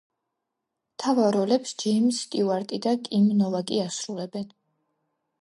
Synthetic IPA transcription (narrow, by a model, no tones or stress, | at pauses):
t̪ʰavaɾɔlɛpsd͡ʒimst̪ʼiuaɾt̪ʼid̪akʼimnɔvakʼiasɾulɛbɛn